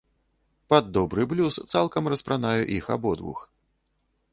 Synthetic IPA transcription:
pad̪ːɔbɾɨblʲust̪salˠkɐmrɐspɾanajṵʔixa̰bɔd̪vṵx

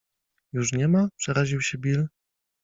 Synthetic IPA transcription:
juʂɲɛmapʂɛɾaʑiwɕɛbʲil

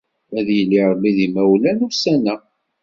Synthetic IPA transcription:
æðjəlːiʁlːiðimæwlænusænæ

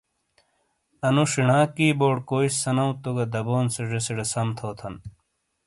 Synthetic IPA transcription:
ɐnuʂiɳaːkiːboːɽkoːissɐnɐũt̪oɡɐd̪ɐboːnseʐesiɽesɐmt̪ʰoːt̪ʰɐn

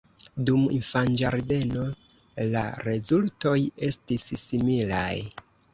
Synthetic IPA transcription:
dumḭnfand͡ʒaɾde̞no̞ | la̰ɾe̞zulto̞je̞stissimila̰j

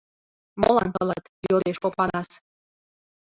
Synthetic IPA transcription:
mo̰lɑ̰nt̪əlɑt̪joɾeʃpopɑɾɑs

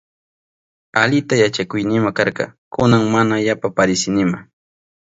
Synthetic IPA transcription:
aʎɪt̪ajat͡ʃakʊjnɪmakɑɾqɑ̰kʊnaŋmanajapapaɾɪsɪnɪma

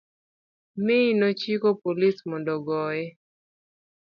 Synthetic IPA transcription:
mɪnot͡ʃikopolismɔndɔɡɔɛ

